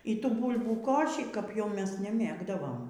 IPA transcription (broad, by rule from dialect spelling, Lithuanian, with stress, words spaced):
iː ˈtuː ˈbuːlˠbuː ˈkoːʃʲiː kɐp jɛʊ ˈmʲɛs nʲɛˈmʲeːɡdɐʋoːm